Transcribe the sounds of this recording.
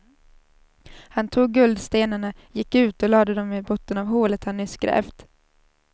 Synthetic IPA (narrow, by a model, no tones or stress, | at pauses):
hant̪ʰuːɡːɵld̪st̪eːnaɳa | jɪkːʉ̟ːt̪ɔlɑːd̪əd̪ɔmɪbɔt̪ːənavɦoːlət̪hanːʏskɾɛ̰ːft̪